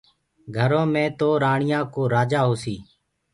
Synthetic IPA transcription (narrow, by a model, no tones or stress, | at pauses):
ɡʱəɾõːmẽːt̪oːɾaːɳɪjãːkoːɾaːd͡ʒaːɦoːsiː